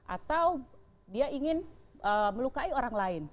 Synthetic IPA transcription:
ʔa̰t̪aw | diaiŋɪnəməlukaioɾaŋlaɪn

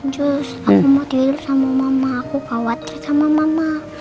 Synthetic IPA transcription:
d͡ʒus | akumat̪iwilusamamamaːkukawat̪̚kisamamama

